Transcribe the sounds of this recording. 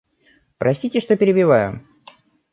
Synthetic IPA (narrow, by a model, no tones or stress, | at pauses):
pɾɐsʲt̪ʲitʲɪʂt̪opʲɪɾʲɪbʲɪvajʊ̰